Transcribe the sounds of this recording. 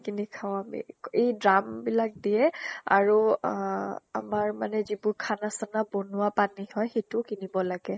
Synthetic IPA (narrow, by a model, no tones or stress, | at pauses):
kinikʰaʊ̃amḭejdɹambilak̚dijɛa̰ɹu | a̰maɹmanɛzibʊɹkʰanasanabonʊapanihɔjxejtʊkinibɔlaɡɛ